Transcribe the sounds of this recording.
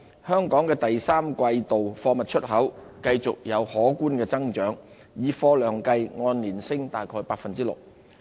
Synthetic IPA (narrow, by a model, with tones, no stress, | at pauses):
hœː˥ŋkɔː˨˥ŋkɛː˧t̪ɐ˨jsaː˥mkʷɐ˧jt̪o˨wfɔː˧mɐ˨t̚t͡ʃʰɵ˥t̚ɦɐ˨˥w | kɐ˧jt͡sʊ˨k̚jɐ˨˧whɔː˨˥kuː˥nkɛː˧t͡sɐ˥ŋt͡ʃœː˨˥ŋ | jiː˨˧fɔː˧lœː˨˩ŋkɐ˧jŋɔː˧nliː˨˩nsɪ˥ŋt̪aː˨jkʰɔː˧jpaː˧˥k̚fɐ˨nt͡siː˥lʊ̰˨k̚